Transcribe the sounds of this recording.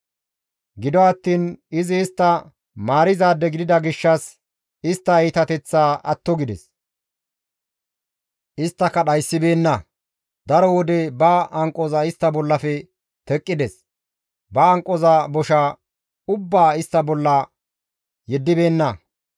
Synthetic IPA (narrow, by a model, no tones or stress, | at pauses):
ɡɪd̪ɔɐt̪ːiːnɪzɪːst̪ːɐ | maːɾɪzaːd̪ːɛɡɪd̪ɪd̪ɐɡɪʃːɐs | ɪst̪ːɐiːt̪ɐt̪ɛt͡sːaːʔɐt̪ːɔɡɪd̪ɛs | ʔɪst̪ːɐkːɐɗɐjsːɪbe̞ːnːɐ | d̪ɐɾɔwɔd̪ɛbɐʔɐŋkʼːɔzɐɪst̪ːɐbɔlːɐfɛ | t̪ɛkʼːɪd̪ɛs | bɐːŋkʼːɔzɐbɔʃaː | ʊbːaːɪst̪ːɐbɔlːɐ | jɛd̪ːɪbe̞ːnːɐ